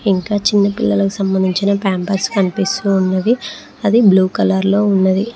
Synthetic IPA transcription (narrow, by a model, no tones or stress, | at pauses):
iŋkaːt͡ʃinːɐpilːɐlɐki̥sɐmbɐnd̪ʱiɲt͡ʃinɐpaːmpɐɾskɐnipist̪uːnːɐd̪i | ɐd̪ibluːkɐlɐɾlo̞ːunːɐd̪i